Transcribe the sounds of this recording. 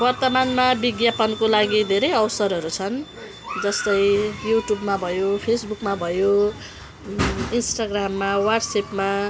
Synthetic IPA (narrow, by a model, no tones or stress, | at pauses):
bʌrt̪ʌmanmabiɡjapʌnkolaɡid̪ʱeɾʌjʌwsʌɾʌɾut͡sʰʌn | d͡zʌst̪ʌjjuʈjubmabʱʌjopʰesbukmabʱʌjo | insʈaɡramːawarɖsepma